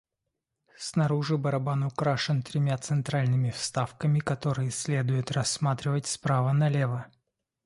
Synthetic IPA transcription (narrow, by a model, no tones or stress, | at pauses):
snɐɾuʐɨbəɾɐbanʊkɾaʂɨnt̪ɾʲɪmʲat̪sɨnt̪ɾalʲnɨmʲɪfst̪afkəmʲɪkɐt̪o̞ɾɨjəsʲlʲe̞d̪ʊjɪt̪rɐsːmat̪ɾʲɪvətʲspɾavənɐlʲevə